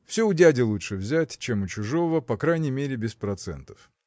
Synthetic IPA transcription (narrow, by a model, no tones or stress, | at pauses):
fsʲoʊdʲædʲɪlˠutʂɨvzʲætʲt͡ɕemʊt͡ɕʊʐo̞vəpɐkɾajnʲɪjmʲeɾʲɪbʲɪspɾɐt̪sɛ̰nt̪ə̥f